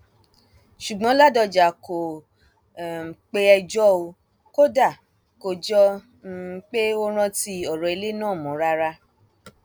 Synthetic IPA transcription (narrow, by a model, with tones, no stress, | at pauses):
ʃu˨ɡ͡bɔ̃˨˦la˦dɔ˧d͡ʒa˨ko˨ | k͡pe˦ɛ˧d͡ʒɔ˦o˧ | ko˦da˦˨ | ko˨d͡ʒɔ˧˦ | k͡pe˦o˦ɾ̃ã˧ti˧ɔ˨ɾɔ˨e˨˧le˦nãː˦˨mɔ̃˨˦ɾa˧ɾa˧